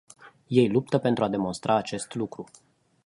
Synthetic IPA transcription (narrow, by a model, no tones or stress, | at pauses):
je̞jlup̚t̪əpent̪ɾuad̪e̞mo̞nst̪ɾʔaːt͡ʃe̞st̪lukɾu